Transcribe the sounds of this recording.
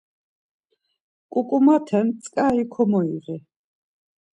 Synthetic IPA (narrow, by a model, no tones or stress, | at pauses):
kʼukʼumat̪ʰɛnsʼkʼaikʰɔmɔiʁi